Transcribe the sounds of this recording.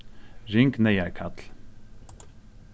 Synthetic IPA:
ɾɪŋknɛjækʰɑt̪ʰl

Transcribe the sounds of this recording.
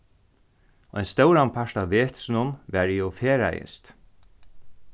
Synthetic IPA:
ɔ̰jnst̪œwɾanpʰaʂt̪aʋeːt̪snʊnʋæːɹiːʊfeːɾa̰jə̰st̪

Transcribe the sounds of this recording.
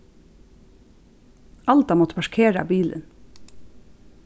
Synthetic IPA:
ɑlt̪ɑːmɔt̪əpʰɑʃkʰeːɾɑ̰ːbiːlə̰n

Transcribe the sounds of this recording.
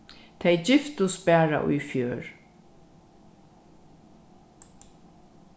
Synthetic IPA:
t̪ʰɛjd͡ʑɪft̪ʊsbæːɹa̰ʔʊ̰jfjøːɹ

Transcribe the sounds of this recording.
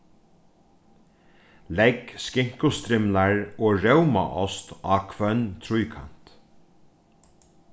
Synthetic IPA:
lɛɡskɪŋ̥kʊst̪ɾɪmlaɹoːɹœwma̰ʔɔst̪ɑːkʰʋœnt̪ʰɾʊjkʰa̰n̥t̪

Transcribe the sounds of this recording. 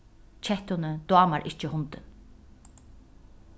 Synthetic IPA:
t͡ʃʰɛht̪ʊnəd̪waːmaɾʔɪt͡ʃɪhʊnt̪ɪn

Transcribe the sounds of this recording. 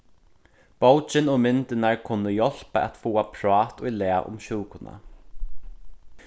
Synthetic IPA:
b̥owt͡ʃɪnɔːmɪnt̪ɪnaɹkʰʊnːəjɔl̥pa̰ʔa̰t̪fuːapʰɾɔːt̪ʊjlɛːaʔʊ̰mʃuːkʊna̰

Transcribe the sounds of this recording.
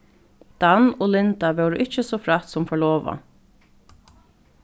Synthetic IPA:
d̪̥ɑnoːlɪnd̪ɑʋøːɾʉ̰ʔɪc͡çəsoːfɾɑt̪sɔmfɔɭoːʋɑ̰

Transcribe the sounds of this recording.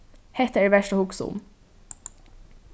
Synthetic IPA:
hɛt̪əæʋæʃʈəhʊksṵːn̩

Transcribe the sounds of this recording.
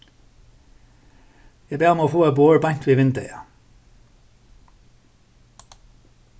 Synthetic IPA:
jæbeːʁɔmoːfoːɛboːəɹbɑɲt̪ʰʋiːʋɪnd̪ə̰ɑ

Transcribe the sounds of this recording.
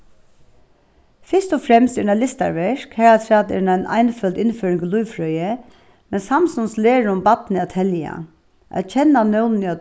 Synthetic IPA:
fɪʂt̪ɔfɾɛmst̪ɛnalɪst̪a̰ɹʋɛʂkhɛɹat̪ʰɾat̪ɛ̰naɪnʔa̰jnfœlt̪ɪnføːɾɪŋɡlujʋfɾœjə | mɛnsamsʊnsleːɻʊmbat̪nɪat̪ʰɛlja̰ | ʔa̰t̪t͡ʃʰɛnːanœwnnɪa

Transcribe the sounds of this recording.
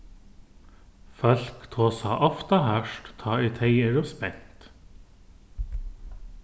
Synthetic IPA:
fœlkt̪ʰoːsɑ̰ːʔɔft̪ɑhœʃʈt̪ʰɑːiːt̪ʰeɪeɹɔspɛn̥t̪

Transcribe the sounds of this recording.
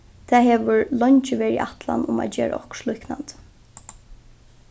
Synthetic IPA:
t̪ʰɛːɦɛːʋʊɹlɔɲt͡ʃɪʋɛːɾiʔaht̪la̰nʊmæ̰t̪d͡ʒɛːɾa̰ʔɔhkʃluhknant̪

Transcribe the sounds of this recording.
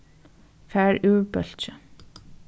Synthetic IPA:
fæːɹʉːɹbœl̥t͡ʃə

